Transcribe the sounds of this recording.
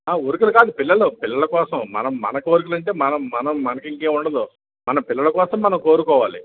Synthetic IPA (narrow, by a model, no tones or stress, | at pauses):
aːoɾukulukaːd̪upɪlːɐlupɪlːɐlɐkɔːsɐmmɐ̰nɐmːɐ̰nɐkiʋɐɾukulɐɳʈe̞ːmɐnɐmːɐnɐmːɐnɐkiŋkeːuɳɖɐd̪u | mɐnɐmpɪlːɐlɐkɔːsɐmːɐnɐmko̞ːɾukɔːʋaːli